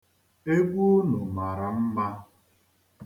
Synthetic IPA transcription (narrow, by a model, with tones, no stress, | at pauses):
e˦ɡʷu˦no˨ma˨ɾa˨m̩˦ma˦